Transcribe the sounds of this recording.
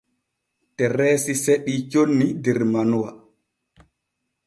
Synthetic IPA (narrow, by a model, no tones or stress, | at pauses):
tɛɾɛːsiseɓit͡ʃonːidɛɾmanuwa̰